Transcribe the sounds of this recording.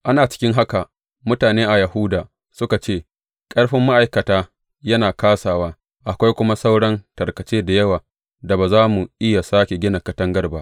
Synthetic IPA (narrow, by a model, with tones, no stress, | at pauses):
ʔa˦naː˨t͡ʃɪ̥˦kʲɪ˦ŋɦa˦ka˨ | mʊ˦taː˨neː˦ʔa˨jɐ˨hu˦daː˨ | sʊ˦ka˨t͡ʃeː˦˨ | kʼɐ˦rɸɪ˦mːa˦ʔa˨jkɐ˨taː˦ | jɐ˦naː˨kaː˦saː˨waː˦ | ʔa˨kʷa˦jkʷʊ˦ma˦sa˦wɽɐ˦ntɐ˨rkɐ˨t͡ʃeː˦da˨jɐ˦waː˨ | da˨baː˨zaː˦mu˨ʔɪ˦ja˨saː˦kʲe˨ɡʲɪ˦na˨kɐ˦tɐ˦ŋɡɐ˦rba˦ʔ